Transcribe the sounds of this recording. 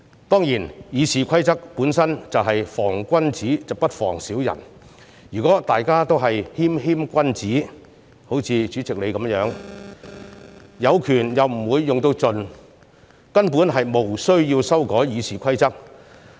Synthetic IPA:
t̪ɔː˥ŋjiː˨˩njiː˨˧siː˨kʷʰɐ˥jt͡sɐ˥k̚puː˨˥nsɐ˥nt͡sɐ˨wɦɐ˨jfɔː˨˩ŋkʷɐ˥nt͡siː˨˥t͡sɐ˨wpɐ˥t̚fɔ̰ː˨˩ŋsiː˨˥wjɐ̰˨˩n | jyː˨˩kɔː˨˥t̪aː˨jkaː˥t̪o˥wɦɐ˨jhiː˥mɦiː˥mkʷɐ˥nt͡siː˨˥ | ho˨˥wt͡sʰiː˧t͡ʃyː˨˥t͡sɪ˨k̚le˨˧jkɐ˨˥mjœː˨˥ŋ | jɐ˨˧wkʰyː˨˩njɐ˨wm̩˨˩wuː˨˧jːʊ˨ŋt̪o˧wt͡sɵ˨˧n | kɐ˥npuː˨˥nɦɐ˨jmo˨˩wsɵ˥ɥjiː˧wsɐ˥wkɔː˨˥jjiː˨˧siː˨kʰɐ˥jt͡sɐ˥k̚

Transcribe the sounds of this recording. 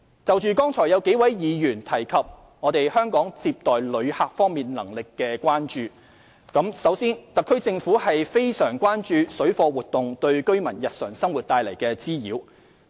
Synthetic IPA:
t͡sɐ˨wt͡ʃyː˨˧kɔː˥ŋt͡sʰɔː˨˩jɐ˨˧wke˨˥jwɐ˨˥jjiː˨˧jyː˨˩nt̪ʰɐ˨˩jkʰɐ˨p̚ | ŋɔː˨˧t̪e˨jhœː˥ŋkɔː˨˥ŋt͡siː˧p̚t̪ɔː˨jlɵ˨˧ɥhaː˧k̚fɔː˥ŋmiː˨nlɐ̰˨˩ŋlɪ˨kːɛː˧kwaː˥nt͡ʃyː˨ | kɐ˨˥msɐ˨˥wsiː˥nt̪ɐ˨kʰːɵ˥ɥt͡sɪ˧ŋfuː˨˥hɐ˨jfe˥jsœː˨˩ŋkʷwaː˥nt͡ʃyː˨˧sɵ˨˥fɔː˧wuː˨t̚t̪ʊ˨ŋt̪ɵ˧ɥkɵ˥ɥmɐ˨˩njɐ˨t̚sœː˨˩ŋsɐ˥ŋwu˨t̚t̪aː˧jlɐ̰˨˩jkɛː˧t͡siː˥jḭː˨˥w

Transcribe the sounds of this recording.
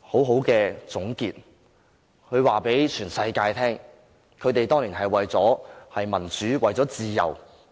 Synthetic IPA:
ho˨˥wɦo˨˥wkɛː˧t͡sʊ˨˥ŋkiː˧t̚ | hʰɵ˨˧ɥwaː˨pe˨˥jt͡ʃʰyː˨˩nsɐ˧jkaː˧jt̪ʰɛː˥ŋ | kʰɵ˨˧˥t̪e˨jt̪ɔː˥ŋliː˨˩nɦɐ˨jwɐ˨jt͡sɔː˨˥hɐ˨jmɐ˨˩nt͡syː˨˥wɐ˨jt͡sɔː˨˥t͡siː˨jɐ̰˨˩w

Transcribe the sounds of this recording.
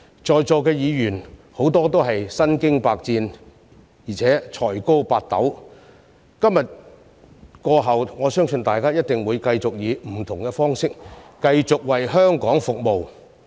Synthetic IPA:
t͡ʃɔː˨jt͡sɔː˨˧kɛː˧jiː˨˧jyː˨˩nho˨˥wt̪ɔː˥t̪̬o˥wɦɐ˨jsɐ˥nkɪ˥ŋpaː˧k̚t͡siː˧n | jiː˨˩t͡sʰɛː˨˥t͡ʃʰɔː˨˩jko˥wpaː˧t̚t̪ɐ̰˨˥w | kɐ˥mjɐ˨t̚ | kɔː˧ɦɐ˨wŋɔː˨˧sœː˥ŋsɵ˧nt̪aː˨jkaː˥jɐ˥t̚t̪ɪ˨ŋwuː˨˧jkɐ˧jt͡sʊ˨k̚jiː˨˧m̩˨˩t̪ʰʊ˨˩ŋkɛː˧fɔː˥ŋsɪ˥k̚kɐ˧jt͡sʊ˨k̚wɐ˨jɦœː˥ŋkɔː˨˥ŋfʊ˨k̚mo˨w

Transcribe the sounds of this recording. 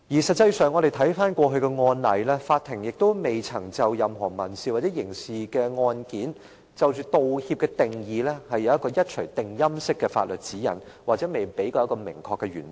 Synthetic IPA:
ji˨˩sɐ˨t̚t͡sːɐ˧jsœː˨ŋːɔ˨˧d̪e˨jt̪ʰɐ˨˥jfaː˥nkʷɔː˧ɦɵ˧kɛ˧ŋɔː˧nlɐ̰˨˥jlɛː˥faː˧t̚t̪ʰːɪ˨˩ŋjɪ˨k̚t̪o˥wme˨jt͡sʰɐ˨˩ŋt͡sɐ˨wjɐ˨mɦɔː˨˩mɐ˨˩nsiː˨waː˨tt͡sɛː˨˥jɪ˨˩ŋsiː˨˩kɛː˧ŋɔː˧nkiː˨˥n | t͡sɐ˨wt͡ʃyː˨t̪o˨whiː˧p̚kɛ˧t̪ɪ˨˩ŋjiː˨˧lɛ˥hɐ˨jːɐ˨˧wjɐ˥t̚kɔː˧jɐ˥t̚t͡ʃʰɵ˨˩jt̪ɪ˨ŋjɐ˥msɪ˥kːɛː˧fa̰ː˧t̚lɵ˨t̚t͡siː˨˥jɐ̰˨˩n | waː˨t̚t͡sɛː˨˥me˨jpe˨˥jkɔː˧jkɔː˧mɪ̰˨˩ŋkʰɔː˧kːɛ˧ɥy̰ː˨˩n

